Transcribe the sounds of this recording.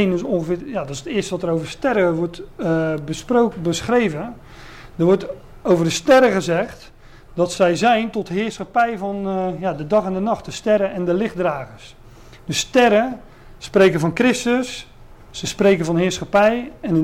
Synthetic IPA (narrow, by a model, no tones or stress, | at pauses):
ndøsõŋχəvɪːjadɔtɪsətɪəstəʋɔtərowvərstɛɾəʋɔtbəsprobəsχrejvə | dərʋɔt | owvərdəstɛɾəɣəzɛχt | dɔtsɛjzɛjntɔtɦɪːrsχapɛjvɔnjadədɑχɛndənɑχt̚dəstɛɾəʔɛndəlɪχdraːɣəs | dəstɛɾə | sprejkəvɔnkrɪstəsː | əspreːjkəvɔnɦɪːrsχapɛjɛnə